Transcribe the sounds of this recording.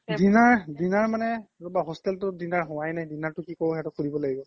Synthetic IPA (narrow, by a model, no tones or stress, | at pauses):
dinaɹdinaɹmanɛlɔbaɦɔstɛltʊdinaɹɦɔwajnajdinaɹtʊkikoɹɦɛtʊkʰuɹibɔlaɡibɔ